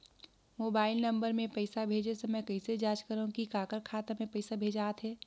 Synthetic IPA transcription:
moːbaːɪlnə̃mbəɾmẽpəɪsabʱeːd͡ʒesemɛkɐɪsed͡ʒaːd͡ʒkəɾɦũkikaːkəɾkʰaːt̪amẽpɐɪsabʱeːd͡ʒaːt̪ɦɛː

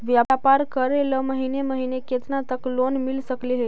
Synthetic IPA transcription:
ʋjaapaɾkəɾeləməɦineməɦineket̪nat̪əklonmilsəkleɦe

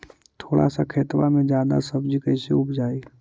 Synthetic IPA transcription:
t̪ʰoːɽa̰sakʰeːt̪ʋamẽd͡ʒjaːd̪a̰səbd͡ʒikəɪseʊpd͡ʒaːi

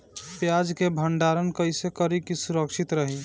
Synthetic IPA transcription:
pjad͡ʒkebʱəɳɖaɾənkəisekəɾikisuɾəkʃit̪ɾəɦi

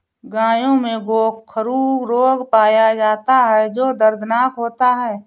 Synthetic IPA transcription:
ɡãːjõmẽɡoːkʰːəɾuɾoːɡpaːjad͡ʒaːt̪aɦɛd͡ʒoːd̪əɾd̪ʱnaːkɦoːt̪aɦɛː

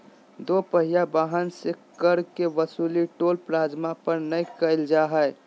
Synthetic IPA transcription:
d̪opəɦijabaɦənsekkəɾkeʋəsuːliʈoːlpɾaːd͡ʒmapəɾnəjkəɪld͡ʒaɦəj

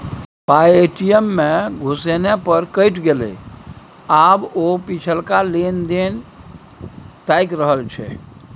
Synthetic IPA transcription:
pajeʈijemːeɡʱusenepəɾkəjʈɡelḛ | abopit͡ʃʰəlkalend̪en | t̪ajkɾəɦəlt͡ʃʰɛ̰

